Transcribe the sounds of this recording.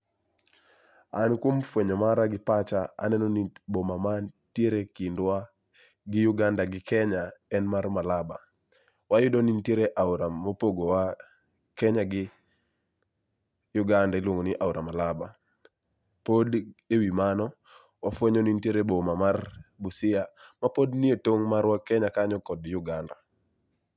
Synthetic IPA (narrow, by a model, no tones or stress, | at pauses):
ankwomfweɲɔmaɾaɡɪpat͡ʃaa̰nɛnɔnibomamantjeɾekindwa | ɡɪjuɡandaɡɪkɛɲaɛnmarmalaba | wajʊdɔninteɾeʔauɾamopoɡowa | kɛɲaɡɪ | jʊɡandaɪlwoŋɡonɪʔawɾamalaba | podewimanɔ | wafweɲɔninteɾebomamarbusɪjamapodnietoŋmaɾwakɛɲakaɲɔkɔdjʊɡanda